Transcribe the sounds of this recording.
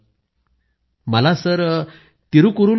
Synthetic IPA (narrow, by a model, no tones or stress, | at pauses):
məlasəɾ | t̪iɾukuɾuː